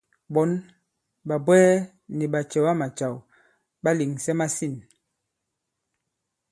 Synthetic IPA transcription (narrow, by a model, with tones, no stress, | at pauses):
bɔ˨˦n | ɓa˨bwɛː˦ | ni˨ɓa˨t͡ʃɛ˨wa˦ma˨t͡ʃa˨w | ɓa˦li˨ŋsɛ˦ma˦si˦˨n